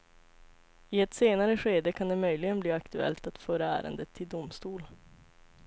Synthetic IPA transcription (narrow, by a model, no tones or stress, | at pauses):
ɪɛt̪seːnaɾəɧeːd̪əkʰand̪ɛmœjlɪɡənbliːakt̪ɵɛ̰lt̪at̪fœːɾaæ̰ːɾə̰nd̪ət̪ʰːɪld̪ʊmst̪uːl